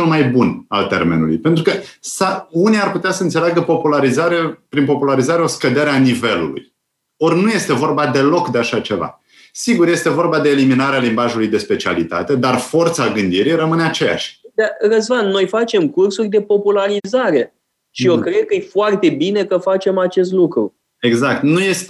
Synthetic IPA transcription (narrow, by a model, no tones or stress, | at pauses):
ulmajbuna̰lt̪e̞̰rme̞̰nṵlṵjpe̞nt̪ɾukəsauniarput̪easəɨnt̪seleaɡəpo̞pulaɾizaɾe̞pɾinpo̞pulaɾizaɾeo̞skəd̪e̞ɾeanive̞lṵlṵj | o̞rʲnuje̞st̪evo̞rbad̪e̞lo̞kd̪eaʃat͡ʃe̞va̰ | siɡurje̞st̪e̞vo̞rbad̪e̞ːliminaɾealimbaʒulujd̪e̞spe̞t͡ʃia̰lit̪a̰t̪e̞d̪arfo̞rt̪saɡɨnd̪iɾijrəmɨne̞at͡ʃe̞ja̰ʃʲd̪arəzvanno̞jfat͡ʃe̞mkursurʲd̪e̞po̞pulaɾizaɾe̞ | ʃiokɾe̞d̪̚kəɨjfoart̪e̞bine̞kəfat͡ʃe̞mat͡ʃe̞st̪lukɾu | e̞ɡzak̚t̪nujest̪